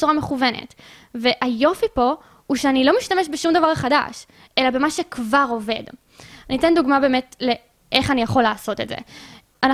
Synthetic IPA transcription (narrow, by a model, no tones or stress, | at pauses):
t͡suʁameχuve̞nḛt | ve̞ʔajo̞fipo̞ | uʃeanilo̞miʃtame̞ʃbeʃumd̪avaʁχada̰ʃ | ʔe̞labe̞maʃekvaʁo̞ve̞̰d | anit̪enduɡmabe̞ːmetle̞ | ʔeχanijaχo̞lːaːso̞te̞̰tzḛ | ana